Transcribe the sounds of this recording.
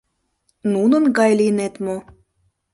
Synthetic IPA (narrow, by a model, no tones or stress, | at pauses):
nunə̆nɡɑjlinet̪mo